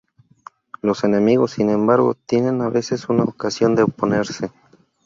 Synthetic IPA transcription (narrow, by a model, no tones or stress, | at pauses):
lo̞se̞ne̞miɣo̞sːinẽ̞mbaɾɣo̞̰t̪je̞ne̞naβe̞se̞sunaokasjo̞nd̪eopo̞ne̞ɾse